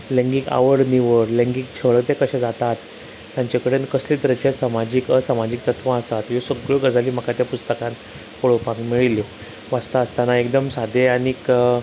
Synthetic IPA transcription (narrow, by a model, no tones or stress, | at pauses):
lẽŋɡika̰ʋəɽniʋəɾlẽŋɡik̚t͡ɕʰəɭət̪ekəɕɛ̃d͡zat̪at̪ː | jaɲt͡ɕakəɽenkəslit̪əɾət͡ɕesamad͡ʑiːkəsamad͡ʑiːk̚t̪ət̪ʰʋãəsat̪josəɡɭoɡəd͡zaliːm̤əkat̪japust̪əkãn | koɭopãŋkmiɭiljo | ʋast̪aəst̪anaekd̪əmsad̪ʱeaɽ̃ik